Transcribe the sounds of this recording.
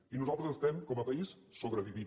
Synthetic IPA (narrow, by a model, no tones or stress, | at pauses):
inuzalˠt̪ɾəzəst̪ɛmkɔməpəis | soβɾəβiβi